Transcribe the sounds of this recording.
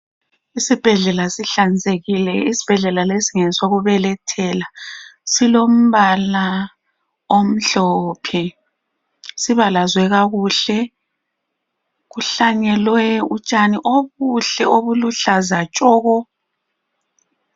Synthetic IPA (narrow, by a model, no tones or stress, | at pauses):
isib̥ʱɛɮɛlasiɬand͡zʱeɣilɛisi̥b̥ʱɛɮɛlalesiŋɛsoɣuβɛlɛtʰɛlasilom̩βala | om̩ɬɔpʰɛ | siβalazwɛɣaɣuɬɛ | ɣuɬaɲɛlwɛut͡ʃʼaniʔoβuɬɛoβuluɬazat͡ʃʼɔːɣɔ